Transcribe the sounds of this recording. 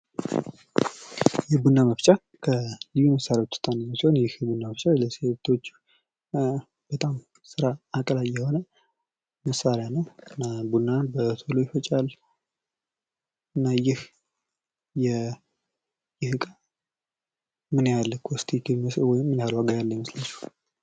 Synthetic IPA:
jɛbunːaməft͡ʃʼa | kʰəlijuməsːaɾjawot͡ʃːsɨ̥t̪ʼːanaməshonjɪhbunːaməft͡ʃʼaləseβt̪ʰo̞t͡ʃː | b̥ət̪ʼam | sɨɾaakʼəlajɛho̞nə | məsaɾjanəwnabunːanbət̪ʰolojɪfət͡ʃʼal | ɨnːajɪh | jɛ | jɪhɨkʼa | mɨnjalːəkʰost̪ʰʼikɨəswɔjɪmːɨnjalaɡajalːəɲməslat͡ʃːu̥

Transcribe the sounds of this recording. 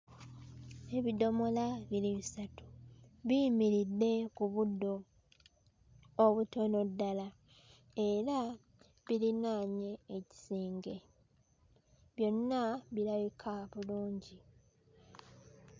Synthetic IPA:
e̞βido̞mo̞laβiliβisatu̥βimiɾidːe̞kuβudːo̞ | βuto̞no̞dːala | e̞ɾa | βilinaːɲe̞ːci̥siːŋɡe̞ | βjo̞nːaβiɾaβikʰaβuluːɲɟi

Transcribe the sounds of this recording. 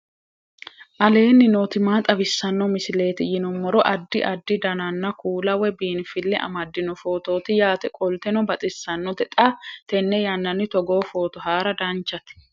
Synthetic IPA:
ʔɐle̞ːnːɪnoːt̪ɪmaːt̪ʼɐbɪsːɐnːɔmɪsɪle̞ːt̪ɪjɪnɔmːɔɾɔʔɐd̪ːɪʔɐd̪ːɪd̪ɐnɐnːɐkʰuːlɐwɛbiːnfɪlːɛʔɐ̰mɐd̪ːɪnɔfo̞ːt̪o̞ːt̪ɪjaːt̪ɛkʼɔlt̪ɛnɔbɐt̪ʼɪsːɐnːɔd̪ɛt̪ʼɐt̪ɛnːɛjɐnːɐnːɪt̪ɔɡo̞ːfo̞ːt̪ɔɦaːɾɐd̪ɐnt͡ʃːɐt̪ɪ̥

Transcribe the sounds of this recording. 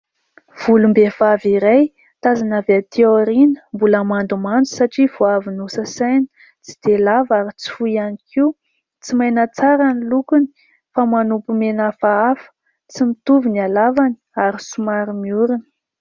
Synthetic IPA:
v̥ulumbevaviɾaj | t̪azanavat̪ioɾinə̥mbuləmand̪umand͡zu̥saʈ͡ʂiv̥oavinusəsajni̥ | t͡si̥d̪̥elavaɾit͡si̥fuianikʰiu | t͡simajnət͡saɾanilukuni̥ | famanupumenafaafə̥ | t͡simit̪uvinialavani̥aɾisumaɾimiuɾuni̥

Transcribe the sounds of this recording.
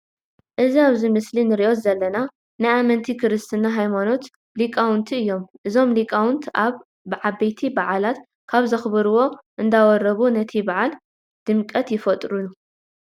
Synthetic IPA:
ʔɨziaβzimɨslinɨɾiʔo̞t̪zɐlːɐna | najamɐnt̪ʰikʰɨɾɨst̪ʰɨnːaɦajmano̞t̪ | likʼawʊnt̪ʰiɨjːo̞mʔɨzo̞mlikʼawʊnt̪ʰʔaβː | ʕabɐjt̪ʰibaʕalat̪ | kʰaβzɐxbɨɾuwo̞ʔɨnd̪awɔɾɐβunɐt̪ʰibaʕal | d̪̥ɨmkʼɐt̪jɪfɐt̪ʼɾunu

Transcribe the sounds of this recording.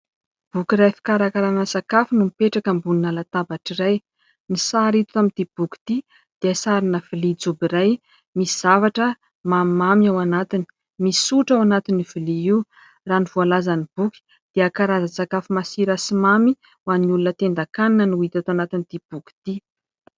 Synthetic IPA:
b̥ukiɾajfi̥kaɾakaɾanasakafinumipeʈ͡ʂakəmbuninalat̪abaʈ͡ʂiraj | nisaɾit̪u̥t̪amind̪̥ib̥uki̥t̪i | d̪̥easaɾinəv̥ilid͡zubiɾaj | misiz̥avaʈ͡ʂə | mammamiawanat̪ini̥ | misuʈ͡ʂawanat̪iniv̥ilii | raniv̥ualazanib̥uki̥ | d̪̥eakaɾazasakafumasiɾasimami | wanulunət̪end̪akananənuit̪at̪oanat̪inid̪̥ib̥uki̥t̪i

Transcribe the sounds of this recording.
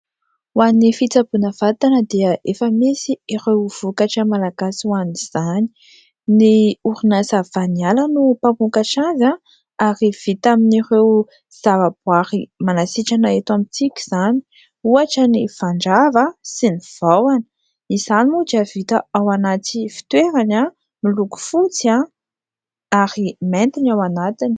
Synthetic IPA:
wanifit͡sabunəvat̪anəd̪eəefəmisierewv̥ukaʈ͡ʂəmalaɡasiwaniz̥ani̥ | niuɾunasavanialanupampukaʈ͡ʂaza | aɾiv̥it̪aminirew | z̥avabuaɾimanasiʈ͡ʂanaet̪amit͡sikʲi̥z̥ani̥ | uaʈ͡ʂəniv̥aɳɖ͡ʐavasiniv̥awanə̥ | izanimud͡ʒavit̪əawanat͡sifi̥t̪weɾana | miluku̥fut͡sia | aɾiment̪inawanat̪ini

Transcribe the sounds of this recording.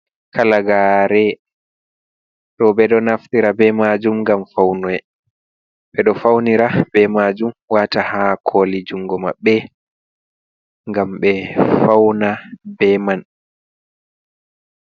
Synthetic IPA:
kʰalaɡaɾɛ | ɗɔbɛɗɔnaft̪iɾabɛmad͡ʒumŋɡamfawnɔjɛ | bɛɗɔfawniɾabɛmad͡ʒumwaːtahakʰolid͡ʒuŋɡɔma̰ɓːɛ | ŋɡamɓɛfawnabɛman

